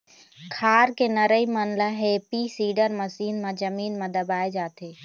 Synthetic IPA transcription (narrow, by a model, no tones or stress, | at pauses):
kʰaɾkenəɾəimənlaɦepisiɖəɾməsinmed͡ʒəmiːnmed̪əbaed͡ʒaːt̪e